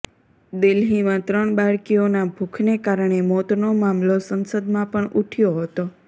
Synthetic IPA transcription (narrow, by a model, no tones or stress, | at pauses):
d̪ɪlɦimãt̪ɾəɳbaɭkijonabʱukʰnekaɾɳ̃emot̪nomamlosənsəd̪mãpəɳʔuʈʰjoɦət̪o